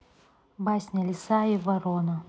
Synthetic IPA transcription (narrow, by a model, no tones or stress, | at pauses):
basʲnʲɐlʲɪsaivɐɾonɐ